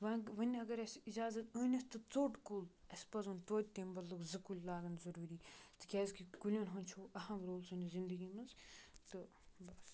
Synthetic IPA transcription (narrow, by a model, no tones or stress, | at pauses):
ʋɐʋɐnʲɐɡɐɾɐsid͡ʒaːzɐt̪əːnʲɐst̪ɨt͡soːʈkoːlɐspɐzunt̪oːd̪̚ʲt̪embɐllɨkzɨkulʲlaːɡɐnzɐɾuːɾiːt̪ɨ̥kʲɛːzkikulʲjoːnɦonʲt͡ʃʰoːɐɦɐmɾoːlsunʲizind̪ɨɡiːmɐnzt̪ɨ | bɐs